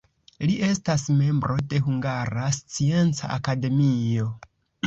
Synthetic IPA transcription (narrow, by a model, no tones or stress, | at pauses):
liʔe̞stasme̞mbɾo̞de̞ɦuŋɡaɾast͡sie̞nt͡sa̰ʔakade̞mio̞